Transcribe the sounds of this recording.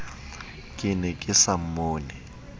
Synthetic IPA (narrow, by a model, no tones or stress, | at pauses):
kʼɪnɛkʼɪsam̩moːnɛ